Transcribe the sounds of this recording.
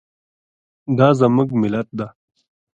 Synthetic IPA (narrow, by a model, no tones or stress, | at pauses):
d̪aːzɐməɡmilɐt̪̚d̪a